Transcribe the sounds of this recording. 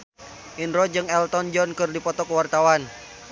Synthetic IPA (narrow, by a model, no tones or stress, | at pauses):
ʔinɾɔd͡ʒɨŋɛlt̪ɔnd͡ʒɔnkɨrdipɔt̪ɔkwart̪awan